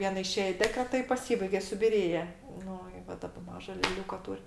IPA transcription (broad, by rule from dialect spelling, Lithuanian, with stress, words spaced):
ˈʋʲiɛnɐ ɪˈʃʲeːj ɪ ˈdʲæːkrʲɛtɐ ɪ pɐˈsʲiːbɐɪɡʲɛ sʊbʲɪˈrʲeːjɛ ˈnʊ ɪ ˈʋɐ ˈdɑːbɐ ˈmɑːʒɐ lʲɛˈlʲuːkɐ ˈtuːrʲ